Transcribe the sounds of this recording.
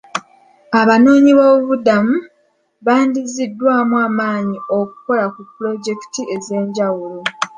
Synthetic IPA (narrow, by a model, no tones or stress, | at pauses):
aβano̞ːɲiβo̞βudamu | βaːndizidːwaːmuaːmaːɲioku̥ko̞lakupːulo̞ɟe̞ki̥tiʔe̞ze̞ːɲɟawulo